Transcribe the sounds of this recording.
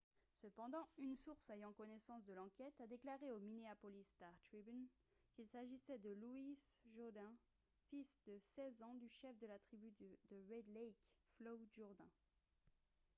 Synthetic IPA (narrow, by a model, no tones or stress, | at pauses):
səpɑ̃d̪ɑ̃ynsuʁsejɑ̃kɔnɛsɑ̃sd̪əlɑ̃kʲɛt̪ad̪eklaʁeomineapɔlist̪aʁt̪χibn | kʲilsaʒisɛd̪əluisʒod̪ɛ̃ | fisd̪əsɛzɑ̃d̪yʃɛfd̪əlat̪χibyd̪d̪əʁɛd̪lɛjkflɔʒuʁd̪ɛ̃